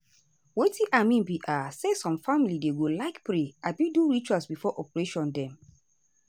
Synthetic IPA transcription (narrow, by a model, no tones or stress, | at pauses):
wetĩʔamĩnbiʔasesɔ̃mfamilideɡolaɪkpɹeabiduɹit͡ʃwasbifɔʔɔpɹeʃɔ̃ndɛ̃m